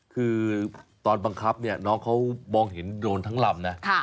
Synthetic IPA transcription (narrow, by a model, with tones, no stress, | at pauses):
kʰɯː˧t̪ɔː˧nba˧ŋkʰa˦˥p̚ni˥˩ɐnɔː˦˥ŋkʰa˦˥wmɔː˧ŋɦe˩˦ndoː˧nt̪ʰa˦˥ŋla˧˩m̚na˦˥kʰa˥˩